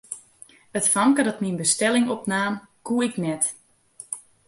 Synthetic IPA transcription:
ətfamkədɔtminbəstɛlɪŋɔpnaːmkuəɪknɛt

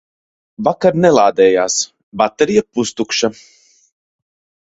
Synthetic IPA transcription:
vakaɾnɛlˠaːd̪ɛːjaːs | bat̪ɛɾijapust̪ukʃa

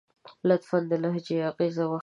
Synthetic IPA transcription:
lat̪fand̪əlaɦd͡ʒeaɣezawa

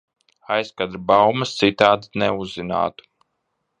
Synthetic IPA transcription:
ajskad̪ɾbawmɐst̪sit̪aːd̪nɛuzːina̰ːt̪u̥

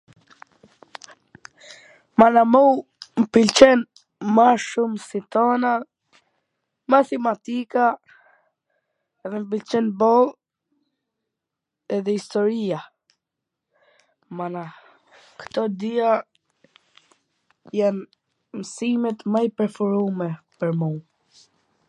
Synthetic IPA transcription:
manamuwmpilt͡ʃɛn | maʃumsit̪ɔna | mat̪ɛmat̪ika | ɛðɛmp̬ilt͡ʃɛnbɔlˠ | ɛðɛist̪ɔɾia | mana | kə̥t̪ɔd̪ia | jan | msimɛt̪majpɛɾfuɾumɛpəɾmu

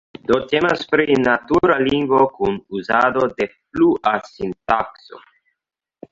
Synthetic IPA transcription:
d̪ot̪emaspɾinat̪uɾaliŋɡokunuzad̪od̪efluʔasint̪akso̰

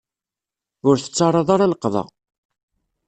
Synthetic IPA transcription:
ʊɾθə̥t͡sːɑrˤɑðˤaɾaləqːðˤɑ̰

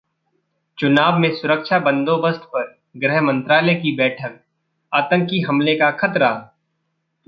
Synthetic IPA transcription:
t͡ʃʊnaːbmẽsʊɾəkʃabɐ̃nd̪oːbəst̪ʰpɐɾ | ɡɾɛɦmə̃nt̪ɾaːləkibɛːʈʰək̚ | aːt̪ə̃ŋkiɦɐmlekakʰɐt̪ɾa

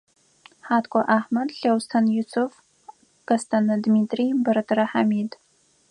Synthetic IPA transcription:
ħaːtʰkʷʰʼɐʔaːħmɐdɬɐwstʰɐnjusʰʊf | ɡ̥ɐstʰɐnɨdmiːtʰʼribɐɾɐtʰɐɾɐħamiːd

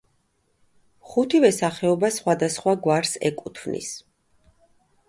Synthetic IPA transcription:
χut̪ʰivɛsaχɛɔbasχwad̪asχwaɡwaɾsɛ̰kʼut̪ʰvnḭs

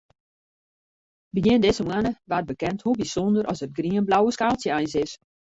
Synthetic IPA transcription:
bəjiɪəndɪsəmwanəʋard̚bəkɛnthulˠbisɔndəɾʔɔsət̚ɡriənblawəskaːlˠsjəɛjnsɪs

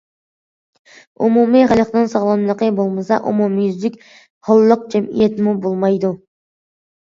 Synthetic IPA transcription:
ṵmumiχælˠəqnɨnsɑʁlˠɑnlˠəqəbolˠmɨsɑʔṵmumijyzlɪkʲ | hɑlˠːəq̚d͡ʒɛmḭjɛt̪ʰmubolˠmɑjd̪u

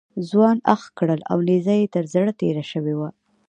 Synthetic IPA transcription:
zwɑnaxkɽəla̰wnezajet̪əɾzɽət̪eɾaʃəwewa

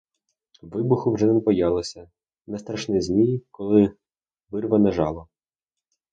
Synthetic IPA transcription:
ʋɪbʊxʊwʒɛnɛmpɔjɑlˠɔsʲɐ | nɛst̪ɾɐʃnɪzʲmʲijkɔlˠɪ | ʋɪrʋɐnɐʒɑlˠɔ

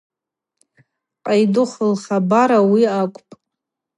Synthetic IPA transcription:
qʼajdʊχəlχabaɾawiakʷʼpʼ

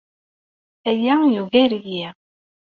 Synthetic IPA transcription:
æjæjuɣæɾji

